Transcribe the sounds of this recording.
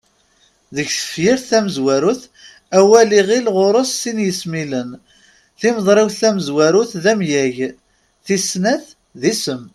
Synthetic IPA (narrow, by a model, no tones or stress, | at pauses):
ðəçθə̥fjiɾθæməzwæɾuθ | æwæliʁilʁʊɾˤosːinjəsmilən | θiməðˤɾˤiwθθæməzwæɾʊθðæmjæʝ | θisnæθ | ðisəm